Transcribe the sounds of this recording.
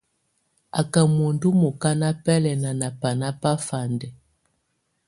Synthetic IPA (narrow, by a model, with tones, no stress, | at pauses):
a̰˨ka˨mo˨ndu˦mɔ˨ka˦na˦pɛ˦lɛ˨na˨na˨pa˨na˦pa˦fa˨ndɛ˨